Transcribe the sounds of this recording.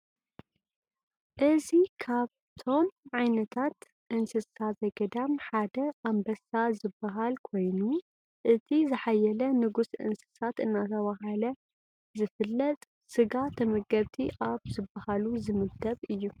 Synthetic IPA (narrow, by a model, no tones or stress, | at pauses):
ʔɨzikʰaβ | t̪ʰo̞mʕajnɐt̪ʰat̪ | ʔɨnsɨsazɐɡɐd̪amħad̪ɐʔambɐsazɨbːaɦalkʰo̞jnu | ʔɨt̪ʰizɨħajɛlɐnɨɡusʔɨ̰nsɨ̥sat̪ɨnːat̪ʰɐβaɦalɐ | zɨfɨlːɐt̪ʼ | sɨɡat̪ʰɐmɐɡɐβt̪ʰiʔaβzɨbːahaluzɨmɨd̪ɐβɨjːu